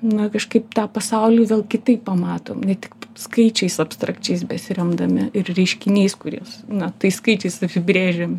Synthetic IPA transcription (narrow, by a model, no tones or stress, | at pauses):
nɐkɐʃkɐɪpt̪ɑːpɐsɐʊlʲiːʋʲeːlˠkʲɪt̪ɐɪppːɐmɑːt̪oːmnʲɛt̪ʲɪkskɐɪt͡ʃʲɛɪsɐpst̪ɾɐkt͡ʃʲɛɪs̬bʲɛtsʲrʲɛmd̪ɐmʲɪɪrrʲɛɪʃʲkʲɪnʲiːskʊɾʲoːsnɐt̪ɐɪskɐɪt͡ʃʲɛɪsɐpʲɪbʲɾʲeːʒʲemʲ